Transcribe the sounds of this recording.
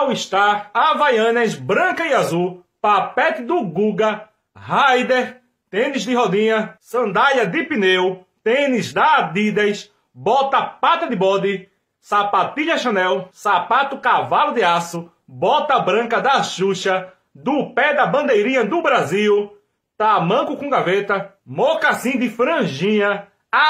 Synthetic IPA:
wɪʃt̪aɾavajɐ̃nɐzbɾɐ̃kɐiazuw | papɛt̪ɪd̪ʊɡuɡɐ | hajd̪eɾ | t̪ẽnɪzd̪ɪɦod̪ĩɲɐsɐ̃nd̪aʎɐd̪ɪpinew | t̪ẽnɪzd̪ɐd̪id̪ɐjs | bɔt̪ɐpat̪ɐd̪ɪbɔd̪ɪ | sapat̪iʎɐʃɐ̃nɛwsapat̪ʊkavalʊd̪ɪasʊ | bɔt̪ɐbɾɐ̃kɐd̪ɐʃuʃɐ | d̪ʊpɛd̪ɐbɐ̃nd̪ejɾĩɲɐd̪ʊbɾaziw | t̪amɐ̃ŋkʊkõɡavet̪ɐ | mokasĩd̪ɪfɾɐ̃ʒĩɲɐ

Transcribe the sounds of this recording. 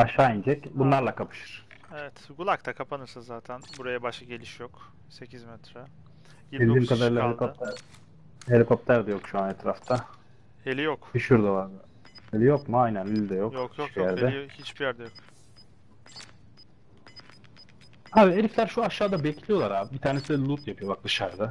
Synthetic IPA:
aʃaːind͡ʒɛcbunlˠaɾlˠakʰapʰɯ̥ʃɯ̥ɾ̥ | evɛt̪ɡulˠakt̪ʰakʰapʰanɯɾsɯzaːt̪ʰænbuɾajabaʃaɟelʲiʃjok | secʰizmɛt̪ɾa | iilʲd̪iːmkʰad̪aɾɯlˠaɦeikot̪æɾ | helʲiko̞p̚t̪ʰæɾd̪ɛjokʃuanet̪ɾaft̪ʰa | elʲijokbiʃuɾd̪avaɾd̪ɯ | elʲijokmuajnænilʲd̪ɛjokjit͡ʃbijæɾd̪ɛhit͡ʃbijæɾd̪ɛjok | haːbielʲicʲlʲæɾʃuaʃːaːd̪abecʰlʲijo̞lˠaɾaːbibit̪ʰaːnesid̪ɛlˠut̪japʰɯjo̞bak̚d̪ɯʃaɾd̪a

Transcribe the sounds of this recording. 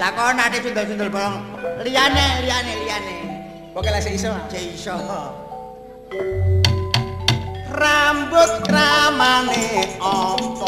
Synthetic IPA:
lakɔnadet͡ʃund̪ɔlt͡ʃund̪ɔlbɔlɔŋlianelijaneliane | b̥okelaseisɔd͡ʒeisɔkɔ | rambʊt̪̚kɾamaneɔpɔ

